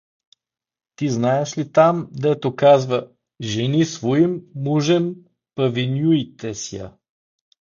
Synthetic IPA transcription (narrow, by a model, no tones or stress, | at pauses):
t̪iznaɛʃlit̪amd̪ɛt̪okazvə | ʒɛnisvoimːuʒɛm | pɐvinʲjuit̪ɛsjə̰